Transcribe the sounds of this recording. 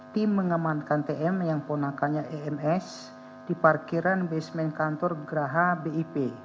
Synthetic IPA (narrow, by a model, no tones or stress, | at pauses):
t̪imːəŋamankant̪eʔɛmjaŋpɔnakaɲaʔeɛmɛs | diparkiɾanbɛsmɛnkant̪ɔrɡəɾaɦabeipe